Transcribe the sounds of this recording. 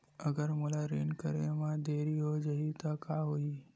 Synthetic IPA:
əɡəɾməlaɾenkəɾḛmad̪eɾiɦod͡ʒəɦit̪əkaɦoi

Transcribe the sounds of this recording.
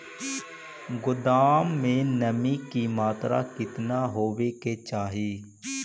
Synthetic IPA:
ɡʊd̪aːmːẽːnəmĩːkiːmaːt̪ɾa̰ːkɪt̪naːɦoːʋeːkeːt͡ʃaːɦiː

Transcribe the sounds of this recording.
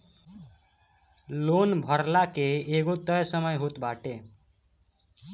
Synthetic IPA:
lonbʱəɾlakeːɡot̪əjsəməjɦot̪baʈe

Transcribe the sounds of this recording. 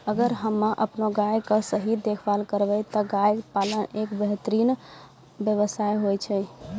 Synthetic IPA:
əɡəɾɦəmːaʔəpnoɡajkəsəɦid̪ekʰbalkəɾbɛt̪əɡajpalənekbəɦt̪əɾin | bjəβəsajɦojt͡ʃʰɛ

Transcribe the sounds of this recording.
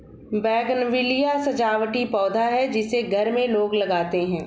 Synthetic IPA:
bɛːɡənʋɪlijasɐd͡ʒaːwʈipɔːd̪ʱaɦɛd͡ʒɪseɡʱɐɾmẽloːɡlɐɡaːt̪eɦɛ̃ː

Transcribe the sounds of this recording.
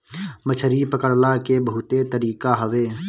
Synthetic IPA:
mət͡ʃʰəɾipəkəɾlakebəɦʊt̪et̪əɾiːkaɦəʋeː

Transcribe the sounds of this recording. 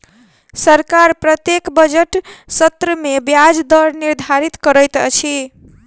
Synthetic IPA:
səɾkaɾpɾət̪jekbəd͡ʒeʈsət̪ɾəmebjad͡ʒd̪əɾniɾd̪ʱaɾit̪kəɾəjt̪t͡ʃʰi

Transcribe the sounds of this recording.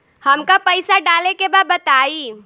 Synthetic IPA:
həmkapəɪsaɖaːlekebad̪̚bət̪aːiː

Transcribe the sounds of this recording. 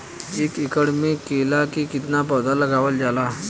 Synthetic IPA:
ekikəɽmekːelakiːkit̪napəwd̪aləɡaʋəld͡ʑala

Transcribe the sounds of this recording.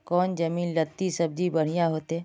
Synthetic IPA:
kɔːnd͡ʒəmiːnlət̪ːisəb̚d͡ʒibəɽ̤ɪjaɦoːt̪eː

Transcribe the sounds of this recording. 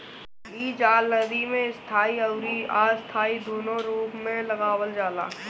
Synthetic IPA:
iːd͡ʒaːləd̪imẽɪst̪ʰaːiɐʊɾiaːɪst̪ʰaːid̪oːnõɾuːpmẽlɐɣaːwəld͡ʒaːla̰ː

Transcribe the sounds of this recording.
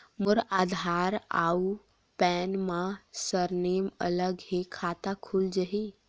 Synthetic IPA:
mʊɾaːd̪ʱaːɾa̰ːu | pɛːnmãsəɾneːmə̰ləɡɦekʰaːt̪akʰuld͡ʒəɦi

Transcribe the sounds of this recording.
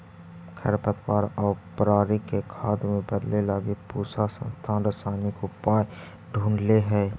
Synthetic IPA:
kʰə̰ɾpət̪waːɾɔːpɾaːɾikekʰaːd̪mẽbəd̪lelaːɡepuːsasə̰̃nst̪ʰaːnɾəsaːnikopaːj | ɖʱũːɳɖleɦɛː

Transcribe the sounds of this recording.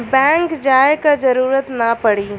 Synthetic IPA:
bɛ̃ːŋkd͡ʒaːekad͡ʒəɾuːɾət̪napəɽiː

